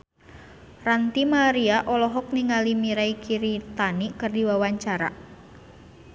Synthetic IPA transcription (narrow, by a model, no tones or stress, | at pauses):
rant̪imaɾiaʔɔlɔɦɔk̚niŋalimiɾaikʰiɾit̪anikɨrdiwawaɲt͡ʃaɾa̰